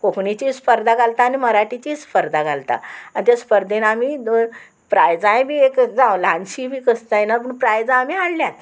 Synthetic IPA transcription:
koknit͡ɕispəɾd̪ʱaɡalt̪aːniməɾaʈit͡ɕiːspəɾd̪ʱaɡʱalt̪a̰anit̪jaspəɾd̪ʱenamiː | pɾajd͡zãjebʱiːekd͡zãwlãnɕibʱiːkəst̪ajenap̬əɳpɾajd͡zãːmiaɽljat̪

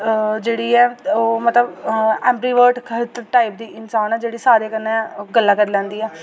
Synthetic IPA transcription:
d͡ʒeːɽiːɛːoːmət̪ləbɛ̃ːmpɾiːʋəːɾʈkʰət̪ʈaːip̚d̪iːʔɪnsaːnɛːd͡ʒeːɽiːsaːɾeːkənːeɡəlːaːkəɾlɛ̃ːnd̪iːɛː

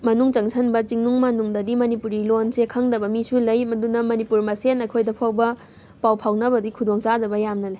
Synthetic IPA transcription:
mɐnuŋt͡ʃɐŋsʰɐnbɐt͡ʃiŋnuŋmanuŋdɐdimɐnipuɾilonsekʰɐŋdɐbɐmisulɐjmɐdunɐmɐnipuɾmɐsenɐjkʰojdɐpʰawbɐ | pawpʰawnɐbɐdikʰudoŋsadɐbɐjamnɐlɐj

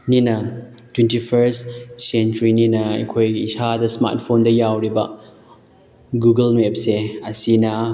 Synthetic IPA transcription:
ninɐ | twentipʰeɾssentɾininɐɐ̰jkʰojɡiisadɐsma̰ɾt̚pʰondɐjawɾibɐ̰ | ɡuɡɐlmep̚seɐsinɐ

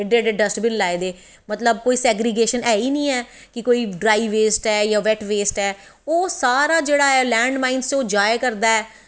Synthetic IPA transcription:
ɪɖeːɖeɖəsʈbɪnlaːeːd̪eː | mət̪ləb̚koːiːsɛːɡɾɪɡeːʃənɛːiːnĩːɛː | kɪkoːiːɖɾaːiʋeːsʈɛːjaːʋɛːʈʋeːsʈɛː | oːsaːɾaːd͡ʒeːɽaːɛːlɛ̃ːɳɖmãːĩnsoːd͡ʒaːjkəɾd̪aːɛː

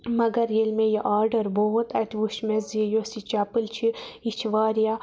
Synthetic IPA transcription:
mɐɡɐɾjelmẽjeʔaːɾɖɐɾboɦt̪ɐt̪ʰʋuʃmeziejoːsit͡ʃaːpɨlt͡ʃʰiit͡ʃʰʋaːɾijaː

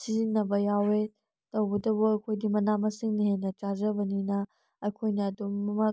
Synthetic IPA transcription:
sizinːɐbɐjawe | tɐwɡɐdɐbɐɐkʰojdimɐnamɐsiŋnihenɐt͡ʃazɐbɐninɐ | ɐkʰojnɐːdumɐmɐ

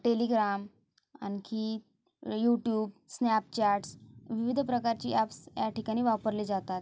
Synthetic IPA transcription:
ʈeliɡɾam | a̰nkʰi | juʈjuːbsnapt͡ɕaʈsʋiʋid̪ʱpɾəkaɾt͡ɕḭʔæpsjaʈikaɽ̃iːʋapəɾliːd͡zat̪at̪

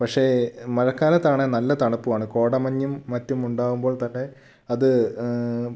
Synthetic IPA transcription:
pɐkʂe̞mɐɻɐkːaːlɐt̪ːaːɳenɐlːɐt̪ɐɳɐpːuʋaːɳɨko̞ːɽɐmɐɲːumːɐtːumuɳɖaːɣumboːɭt̪ɐnːe | ɐðɨ

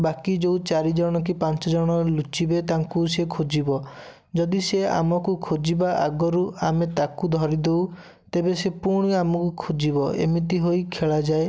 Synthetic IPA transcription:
bakid͡ʒeũt͡ʃaɾid͡ʒɔɽ̃ɔk̬ipant͡ʃɔd͡ʒɔɽ̃ɔlut͡ʃibet̪aŋkusekʰod͡ʒibɔ | d͡ʒɔd̪isea̰mɔkukʰod͡ʒibaʔaɡɔɾuamet̪akud̪ʱɔɾid̪ew | t̪ebesepuɾɽ̃iamɔkukʰod͡ʒibɔḛmit̪̬iɦoikʰeɭad͡ʒae

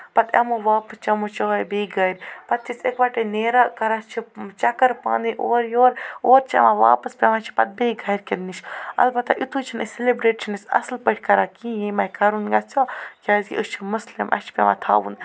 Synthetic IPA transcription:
pɐt̪ɐ̰moːʋaːpəst͡ʃʰɐmot͡ʃobeːɡʱɐɾʲpɐt̪ːʰisʲekʋɐʈeneːɾaːkɐɾast͡ʃʰit͡ʃɐkɐɾpã̰ːnd̪iʔoːɾjoːɾoːɾt͡ʃʰɐ̰mãːʋa̰ːpɐspʲemãːt͡ʃʰi̥pɐt̪̚beɡʱɐːjɾʲkend̪niʃʰɐ̰lbɐt̪a̰ʔit̪ʰut͡ʃʰinɐselebɾeːʈt͡ʃʰɐnɐsʲɐ̰slpəʈʰʲkɐɾaːkĩːjẽmɐjkɐɾunɡɐst͡sʰʲoːkʲaːzɡʲḭʔɨst͡ʃʰimɐslɐmʔɐ̰ʃʰpʲɛma̰ːt̪ʰa̰ːʋṵn

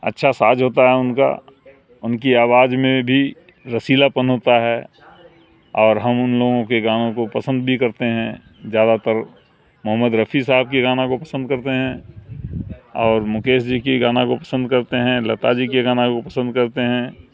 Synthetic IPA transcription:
ə̰tːʃʰasaːd͡ʒɦoːt̪aɦɛʊnka̰ | ʊnkiaːwaːd͡ʒmẽbʱi | ɾəsiːlapənɦoːt̪aɦɛ | ɔːɾɦɐmʊnloːɡõkeɡaːnõkopɐsə̃nd̪bʱikɐɾt̪eɦɛ̃ | zjaːd̪at̪əɾ | mʊɦəmːəd̪ɾəfʰis̬aːɦb̚keɡaːnakopəsə̃nd̪̚kɐɾt̪eɦɛ̃ | ɔːɾmʊkeːsd͡ʒikiɡaːnakopɐsə̃nd̪kɐɾt̪eɦɛ̃lɐt̪ad͡ʒikeɡaːnãkopɐsə̃nd̪̚kɐɾt̪eɦɛ̃

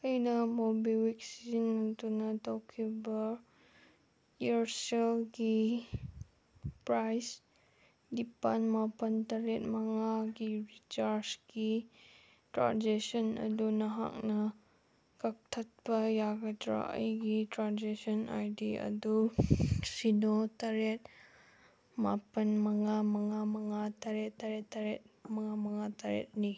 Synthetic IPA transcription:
ɐjnɐmobiwiksiznɐtunɐtɐwkʰibɐ | iɾselɡi | pɾajs | dipanmapɐntɐɾet̚mɐŋaɡiɾit͡ʃaɾsɡi | tɾa̰nd͡ʒesɐnɐ̰dunɐɦa̰k̚nɐ | kɐk̚tʰɐt̚bɐjaɡɐtɾa̰ʔə̰jɡitɾanzesɔna̰jdiɐ̰du | sinotɐɾet̚ | ma̰pɐnmɐŋamɐŋamɐŋatɐɾetːɐɾetːɐɾet̚mɐŋamɐŋatʰaɾḛt̚ni

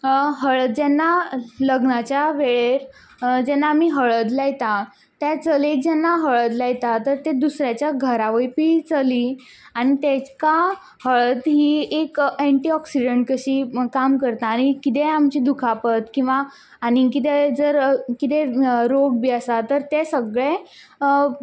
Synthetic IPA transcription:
ɦəɭəd͡ʑɛnːaləɡnat͡ɕjaʋeɭeɾ | d͡ʑɛnːaːmiːɦəɭəd̪lajt̪a | t̪jat͡səled͡ʑɛnːaɦəɭəd̪lajt̪at̪əɾt̪ed̪usɾjat͡ɕjaɡʱəɾaʋəjpiːt͡səliː | aɽ̃it̪ɛka | həɭəd̪ɦiːekeɳʈiɔksiɖəɳʈ̚kəɕiːkamkəɾt̪aːɽ̃ikit̪eamt͡ɕid̪ukʰapət̪kĩw̃ʋaː | ɽ̃ikit̪̬ɛd͡zəɾkit̪ɛɾoɡbiəsat̪əɾt̪ɛsəɡɭe

